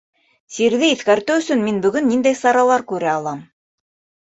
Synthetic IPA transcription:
siɾðɘiθkæɾt̪ɘɵ̆sɵnminbɵ̆ɡɵnːind̪æjsɑɾɑlˠɑɾkʉɾæɑlˠɑm

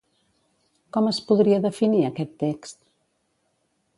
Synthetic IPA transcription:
kɔməspuðɾiɐðəfiniɐkɛt̪ːɛkst̪

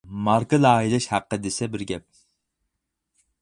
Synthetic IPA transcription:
mɑɾkɨlɑːɦilɛʃhæqːəd̪ɪsɛbɪɾɡʲɛp̚

